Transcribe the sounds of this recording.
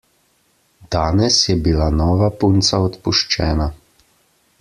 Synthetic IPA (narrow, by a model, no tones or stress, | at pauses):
d̪̥aːnɛsjɛbilanɔːʋapunt̪saɔt̪puʃt͡ʃɛːna